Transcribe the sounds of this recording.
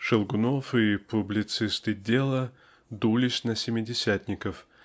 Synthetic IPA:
ʂɨlˠɡʊnofɪpʊblʲɪt̪sɨst̪ɨdʲe̞lˠə | d̪ulʲɪsʲnəsʲɪmʲɪdʲɪsʲæt̪ʲnʲɪkəf

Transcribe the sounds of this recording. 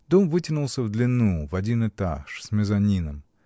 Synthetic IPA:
d̪omvɨtʲɪnulˠsʲəvd̪lʲɪnːuvɐdʲinɨt̪aʂsʲmʲɪzɐnʲinəm

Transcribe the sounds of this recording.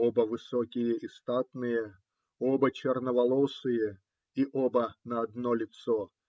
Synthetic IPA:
obəvɨsɔkʲɪjəʔist̪at̪nɨjə | obət͡ɕɛrnəvɐlˠɔsɨjə | iʔobənɐɐd̪nɔlʲɪt̪sɔ

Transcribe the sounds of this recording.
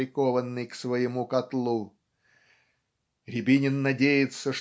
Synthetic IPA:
ɪkovənːɨjksvəjɪmukɐt̪lˠu | rʲɪbʲinʲɪnːɐdʲejɪt̪səʂ

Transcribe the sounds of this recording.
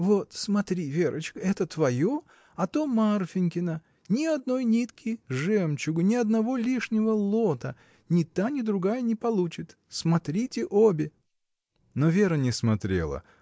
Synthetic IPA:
vot̪smɐt̪ɾʲivʲeɾʔə̰t͡ɕkəɛt̪ət̪vɐjo̞ | ɐt̪o̞marfʲɪnʲkʲɪnə | nʲɪɐd̪no̞jnʲit̪kʲʰɪjʐɛmt͡ɕʊɡnʲɪɐd̪nɐvo̞lʲiʂnʲɪvəlˠo̞t̪ə | nʲɪt̪anʲɪd̪ɾʊɡajənʲɪpɐlˠut͡ɕɪt̪ | smɐt̪ɾʲitʲɪʔobʲɪ | novʲe̞ɾənʲɪsmɐt̪ɾʲḛlˠə̰

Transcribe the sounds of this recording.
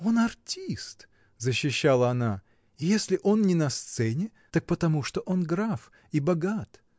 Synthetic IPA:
o̞nɐrtʲist̪ | zəɕːɪɕːalˠəɐna | ɪjesʲlʲɪʔo̞nnʲɪnɐst̪sɛnʲɪ | t̪ak̚pət̪ɐmuʂt̪oʔo̞nɡɾaf | ibɐɡat̪

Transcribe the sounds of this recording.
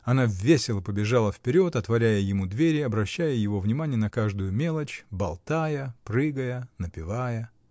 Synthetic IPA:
ɐnavʲːesʲɪlˠəpəbʲɪʐalˠəfpʲɪɾʲo̞t̪ɐt̪vɐɾʲæjəjɪmud̪vʲeɾʲɪɐbɾɐɕːæjəjɪvo̞vnʲɪmanʲɪjənɐkaʐd̪ʊjʊmʲe̞lˠət͡ɕbɐlˠt̪ajəpɾɨɡəjənəpʲɪvajə

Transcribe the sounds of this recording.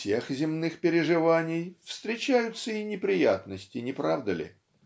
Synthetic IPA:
sʲexzʲɪmnɨxpʲɪɾʲɪʐɨvanʲɪjfst̪ɾʲɪt͡ɕæjʊt̪səinʲɪpɾʲɪjat̪nəsʲtʲɪnʲɪpɾavd̪əlʲɪ̰

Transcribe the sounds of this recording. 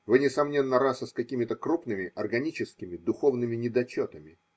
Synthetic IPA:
vɨnʲɪsɐmnʲe̞nːəɾasəskɐkʲimʲɪt̪əkɾupnɨmʲɪʔɐrɡɐnʲit͡ɕɪskʲɪmʲɪd̪ʊxo̞vnɨmʲɪnʲɪd̪ɐt͡ɕot̪əmʲɪ

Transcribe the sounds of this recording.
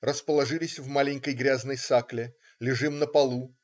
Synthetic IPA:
rəspəlˠɐʐɨlʲɪsʲvmalʲɪnʲkəjɡɾʲaznəjsaklʲɪ | lʲɪʐɨmnəpɐlˠu

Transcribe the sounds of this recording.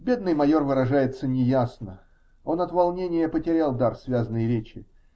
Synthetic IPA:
bʲe̞d̪̚nɨjmɐjo̞rvɨɾɐʐajɪt̪sənʲɪjasnə | o̞nɐt̪vɐlˠnʲenʲɪjəpətʲɪɾʲalˠd̪arsvʲazənɨjəɾʲet͡ɕːɪ

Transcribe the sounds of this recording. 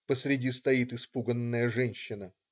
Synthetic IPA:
pəsɾʲɪdʲist̪ɐit̪ɨspuɡənːəjəʐɛnʲɕːɪnə

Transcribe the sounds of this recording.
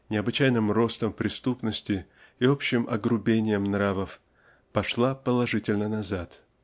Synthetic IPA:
nʲɪɐbɨt͡ɕæjnɨmro̞st̪əmpɾʲɪst̪upnəsʲtʲɪ | iopɕːɪmʔɐɡɾʊbʲenʲɪjəmnɾavəf | pɐʂlˠapəlˠɐʐɨtʲɪlʲnənɐzat̪

